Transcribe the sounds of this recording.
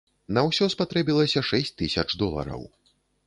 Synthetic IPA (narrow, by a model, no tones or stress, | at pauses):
nɐwsʲɔspat̪ɾɛbʲilˠɐsʲɐʂɛsʲt͡sʲt̪ːɨsʲɐt͡ʂd̪ɔlˠɐ̰ɾɐ̰w